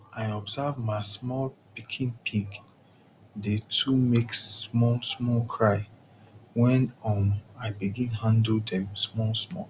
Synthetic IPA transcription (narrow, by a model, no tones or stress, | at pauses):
aɪɔbzavmaɪsmɔlpikʰĩnpʰiɡ | detʰumekssmɔlsmɔlkʰɹaɪ | wɛ̃nɔmaɪbiɡĩnhãndl̩dɛ̃msmɔlsmɔ̰l